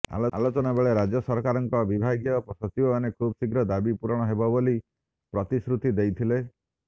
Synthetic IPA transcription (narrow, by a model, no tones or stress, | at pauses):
a̰loa̰lot͡ʃɔnabeɭeɾad͡ʒjɔsɔɾkaɾɔŋkɔbibʱaɡjɔpsɔt͡ʃibɔanekʰubsiɡɾɔd̪abipuɾɔɽ̃ɔɦebɔboli | pɾɔt̪isɾut̪id̪ejt̪ʰile